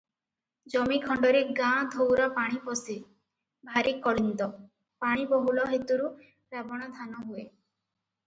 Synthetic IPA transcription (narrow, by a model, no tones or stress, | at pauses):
d͡ʒɔmikʰɔɳɖɔɾeɡãd̪ʱowɾɔpaɽ̃ipɔsi | bʱaɾikɔlint̪ɔ | paɽ̃ibɔɦulɔɦet̪uɾu | ɾabɔɽ̃ɔd̪ʱanɔɦue